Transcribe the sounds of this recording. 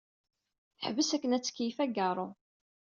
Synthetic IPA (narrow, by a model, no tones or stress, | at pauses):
ħvəsækːənæt͡sːə̥kijifæɡɑɾˤo